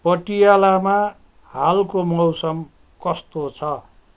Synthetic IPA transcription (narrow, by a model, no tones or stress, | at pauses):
pʌʈijalama | halkomʌwsʌm | kʌst̪ot͡sʰʌ